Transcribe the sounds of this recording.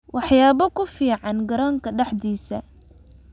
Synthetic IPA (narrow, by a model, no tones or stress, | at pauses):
wʔɑħjaːβɔkʰʊfiːʕɑnɡɐɾaːŋkʰɐɖɛħd̪iːsɐ̰